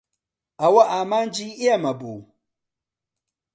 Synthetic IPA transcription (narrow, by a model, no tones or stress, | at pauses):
ʔawaʔamand͡ʒiɪjamabo